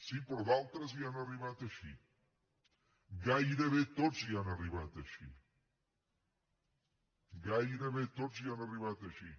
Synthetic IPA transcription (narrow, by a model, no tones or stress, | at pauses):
sipəɾðalˠt̪ɾəzianɐriβat̪əʃḭ | ɡajɾeβet̪od͡zzianɐriβat̪əʃḭ | ɡajɾəβet̪od͡zzianɐriβat̪əʃi